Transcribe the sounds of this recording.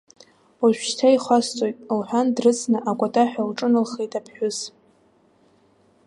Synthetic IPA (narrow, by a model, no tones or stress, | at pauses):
aʃᶣʃtʰaiχʷast͡sʼojtʼlħʷᶣandrɨt͡sʰnɨʔakʷʼatʼaħᶣalʈ͡ʂʼɨnɨlχejtʼapʰħʷᶣʊz